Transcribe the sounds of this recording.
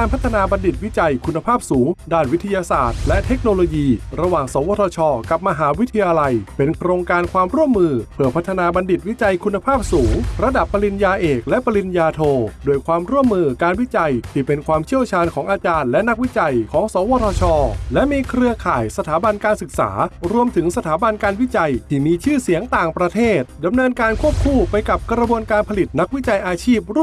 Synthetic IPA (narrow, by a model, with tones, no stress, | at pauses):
kaː˧npʰa˥t̪ʰːa˧naː˧ba˧ndi˨˩t̪̚wi˦˥t͡ɕa˧jkʰu˧nːa˧pʰaː˥˩p̚suː˩˦ŋdaː˥˩nwi˦˥t̪ʰa˧jaː˧sa̰ː˨˩t̪̚lɛ˦˥ʔt̪ʰe˦˥k̚noː˧loː˧jiː˧ɾa˧waː˨˩ŋsɔː˩˦wɔː˧t̪ʰɔː˧t͡ɕʰɔː˧ka˨˩p̚ma˧ɦaː˩˦˥wi˦˥t̪ʰːa˧jaː˧la˧jpe˧nkʰɾoː˧ŋkaː˧nkʰwaː˧mɾu˥˩əmːɯː˧pʰɯ˧˩pʰa˦˥t̪ʰːa˧naː˧ba˧ndi˨˩t̪̚wi˦˥t͡ɕa˧jkʰu˧nːa˧pʰaː˥˩p̚suː˩˦ŋɾa˧da˨˩pːa˧li˧njaː˧ʔeː˨˩k̚lɛ˦˥pa˧li˧njaː˧t̪ʰoː˧doː˧əjkʰwaː˧mɾu˥˩əmːɯː˧kaː˧nwi˦˥t͡ɕa˧jt̪ʰiː˥˩pe˧nkʰwaː˧mt͡ɕʰi˥˩əwt͡ɕʰaː˧nkʰɔː˩˦ŋʔaː˧t͡ɕaː˧nlɛ˦˥na˦˥k̚wi˦˥t͡ɕa˧jkʰɔː˩˦ŋsɔː˩˦wɔː˧t̪ʰɔː˧t͡ɕʰɔː˧lɛ˦˥miː˧kʰɾɯ˧əkʰaː˨˩jsa˧t̪ʰaː˩˦ba˧nkaː˧nsɯ˨˩k̚sa̰ː˩˦ɾu˧əmt̪ʰɯ˩˦ŋsa˧t̪ʰaː˩˦ba˧nkaː˧nwi˦˥t͡ɕa˧jt̪ʰiː˥˩miː˧t͡ɕʰɯː˥˩si˩˦əŋt̪aː˨˩ŋpɾa˧t̪ʰeː˥˩t̪̚da˧mnɤː˧nkaː˧nkʰu˥˩əp̚kʰuː˥˩pa˧jka˨˩p̚kɾa˧bu˧ənkaː˧npʰa˧li˨˩t̪̚na˦˥k̚wi˦˥t͡ɕa˧jʔaː˧t͡ɕʰiː˥˩p̚ɾ